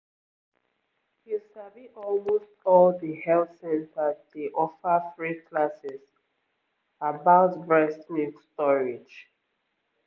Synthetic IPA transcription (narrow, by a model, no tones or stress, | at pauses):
hisaviʔɔlmostɔlðəhɛlsɛ̃ntadeʔɔfəθɹikʰlasɪs | abaʊtbɹɛstĩstɔɹid͡ʒ